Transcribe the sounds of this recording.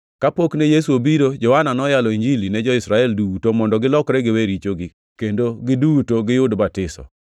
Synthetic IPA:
kapoknɛjesuobiɾod͡ʒɔwananɔjalɔiɲd͡ʒilinɛd͡ʒɔɪsɾaɛldutomɔndɔɡɪlɔkɾɛɡɪweɾit͡ʃoɡɪ | kendoɡɪdutoɡɪjʊdbatɪsɔ̰

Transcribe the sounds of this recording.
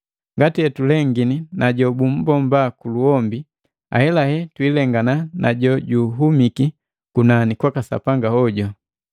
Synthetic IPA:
ŋɡatiɛtulɛŋɡininaɟɔbum̩bɔmbakuluɔmbi | a̰hɛlahɛtwilɛŋɡananʔaɟɔɟuɦumiki | kunanikwakasa̰paŋɡahɔɟɔ

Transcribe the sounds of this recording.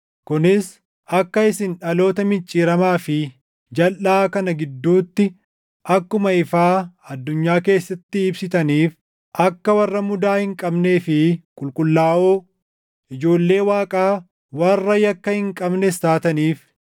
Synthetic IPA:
kʊnɪs | ɐkːɐɪsɪnᶑɐlo̞ːt̪ɐmɪnt͡ʃʼːiːɾɐmaːfɪ | d͡ʒɐlʔaːkɐnɐɡɪd̪ːuːt̪ːɪ | ʔɐkːʊmɐɪfaːɐd̪ːʊɲːaːke̞ːsːɐt̪ːɪːbsɪt̪ɐniːf | ʔɐkːɐwɐrːɐmʊd̪aːhɪŋkʼɐbneːfɪkʼʊlkʼʊlːaːʔoː | ʔɪd͡ʒo̞ːlːe̞ːwaːkʼaː | wɐrːɐjɐkːɐhɪŋkʼɐbnɛsaːt̪ɐniːf

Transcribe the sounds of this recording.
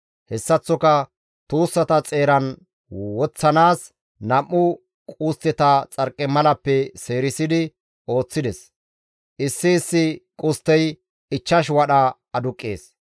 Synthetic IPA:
hɛsːɐt͡sːɔkɐ | t̪uːsːɐt̪ɐt͡sʼe̞ːɾɐn | wɔt͡sːɐnaːs | nɐmːʊ | kʼuːst̪ːɛt̪ɐt͡sʼɐɾkʼːɛmɐlɐpːɛseːɾɪsɪd̪ɪ | o̞ːt͡sːɪd̪ɛs | ʔɪsːɪːsːɪkʼʊst̪ːɛj | ɪt͡ʃːɐʃ̬wɐɗɐ | ɐd̪ʊkʼːḛːs

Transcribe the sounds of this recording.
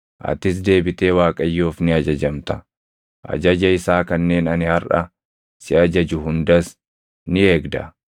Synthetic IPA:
ʔɐ̰t̪ːɪs̬d̪e̞ːbɪt̪e̞ːwaːkʼɐjːoːfnɪɐd͡ʒɐd͡ʒɐmt̪ɐ̥ | ʔɐ̰d͡ʒɐd͡ʒɐɪsaːkɐnːeːnɐnɪhɐɾʔɐ̰ | sɪɐd͡ʒɐd͡ʒʊɦʊnd̪ɐs | nɪe̞ːɡd̪ɐ̰

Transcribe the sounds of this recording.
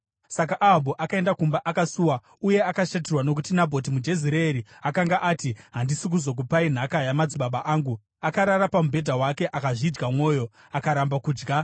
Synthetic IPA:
sakaʔaɦabʱoʔakae̞ndakumbaʔakasuːwa | uje̞akaʃat̬erwano̞k̬utinabʱo̞t̬imud͡ʒe̞ziɾeɾiakaŋɡaʔaːtiɦandisik̬uzok̬upain̤akajamad͡ziɓaɓaʔaːŋɡu | akaɾaɾapamubʱe̞dʱawake̞ʔakaʐid͡ʒɡamwo̞ːjo̞ | akaɾambakuːd͡ʒɡa

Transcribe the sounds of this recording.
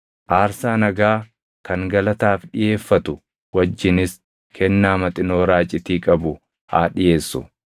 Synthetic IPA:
ʔaːɾsaːnɐɡaː | kɐŋɡɐlɐt̪aːfɗɪje̞ːfːɐt̪ʊ | wɐd͡ʒːɪnɪs | kʰɛnːaːmɐt̪ʼɪno̞ːɾaːt͡ʃʼːɪt̪iːkʼɐbʊ | ha̰ːᶑɪje̞ːsːʊ̰

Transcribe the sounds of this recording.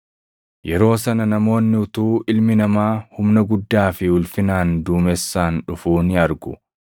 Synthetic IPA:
jɛɾo̞ːsɐnɐnɐmo̞ːnːɪʊt̪uːʔɪlmɪnɐmaːhʊmnɐɡʊd̪ːaːfɪʊlfɪnaːnd̪uːmɛsːaːnᶑʊfuːnɪɐɾɡʊ

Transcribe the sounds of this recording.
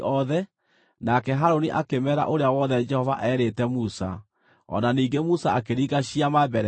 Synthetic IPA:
ʔɔðɛ | nakɛɦaɾoniʔakemɛɾa̰ʔoɾeawɔðɛd͡ʒɛhɔvaʔɛɾetɛmusa̰ | ɔ̰naniːɡemusaakeɾiɣaɕiamabɛɾɛ

